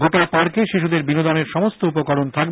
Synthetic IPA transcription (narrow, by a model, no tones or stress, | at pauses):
ɡʱoʈapaɾkeʃiʃud̪eɾbinod̪ɔneɾʃɔmost̪oupokɔɾont̪ʰak